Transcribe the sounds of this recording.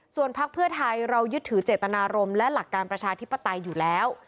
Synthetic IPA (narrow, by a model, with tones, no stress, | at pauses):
su˨˩ənpʰa˦˥k̚pʰɯ˥˩ɐt̪ʰa˧jɾa˧wjɯ˦˥t̪ʰːɯː˩˦t͡ɕeː˨˩t̪ːa˧naː˧ɾo˧mlɛ˦˥la˨˩kːaː˧npɾa˧t͡ɕʰaː˧t̪ʰi˦˥pːa˧t̪a˧jːuː˨˩lɛː˦˥w